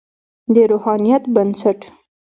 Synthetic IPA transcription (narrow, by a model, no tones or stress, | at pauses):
d̪əɾohɑnijat̪bansaʈ